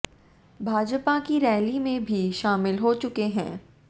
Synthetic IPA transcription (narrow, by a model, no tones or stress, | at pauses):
bʱaːd͡ʒpakiɾɛːlimẽbʱiʃaːmɪlɦot͡ʃʊkeɦɛ̰̃ː